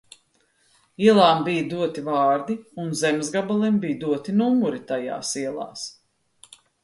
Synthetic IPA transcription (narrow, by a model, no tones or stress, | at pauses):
iɛlˠaːmbijd̪uɔt̪ivɑːɾd̪iunzɛmzɡabalˠimbijd̪uɔt̪inumuɾit̪aja̰ːsiɛlˠɑ̰ːs